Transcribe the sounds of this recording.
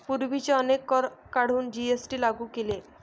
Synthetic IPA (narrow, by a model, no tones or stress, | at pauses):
puɾbit͡ʃeɔnekːɔːaɽ̤ʱund͡ʒiesʈilaɡukele